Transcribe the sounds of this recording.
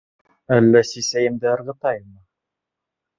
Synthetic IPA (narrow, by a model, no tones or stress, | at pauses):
ælːæsisæjɘ̆md̪ɘɤ̆ɾʁɤ̆t̪ɑjmɤ